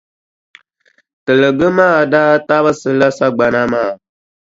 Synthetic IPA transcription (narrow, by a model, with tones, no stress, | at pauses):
tɨ˨lə˨ɡə˦maː˦˨daː˦ta˦bə˦sɨ˨la˦sa˦ɡ͡ba˨na˦maː˦˨